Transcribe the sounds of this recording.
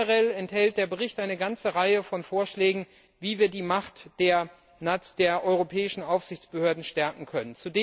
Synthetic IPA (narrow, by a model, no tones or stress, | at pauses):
ʁɛlɛnthɛlt̚d̥eːɐbəʁɪçtʔaɪnəɡant͡səʁaɪəfɔnfoːɐʃlɛːɡŋ̩ | viːviːɐdiːmaχtd̥eːɐ | nad̥eːɐʔɔʏʁopʰɛːɪʃn̩ʔaʊfz̥ɪçt͡sb̥əhøːɐdn̩ʃtɛɐkŋ̩kʰœnənt͡sudeː